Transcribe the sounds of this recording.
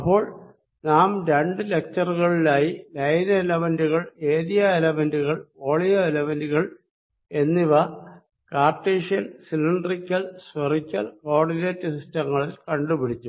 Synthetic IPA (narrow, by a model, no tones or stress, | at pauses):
ɐpːo̞ːɭ | naːmɾeɳɖɨle̞k̚t͡ɕɐruɣɐɭilaːjilɐjnelɐʋɐnduɣɐɭe̞ːðijɐelɐmɐnduɣɐɭo̞ːɭijɐelɐʋɐnduɣɐɭ | e̞nːiʋɐ | kaːrtːeːʂijɐnsilɐɳɖrikʲːɐlsʋɐrikʲːɐ̰lo̞ːrɖineːtːɨsistɐŋːɐɭilkɐɳɖupiɽit͡ɕːu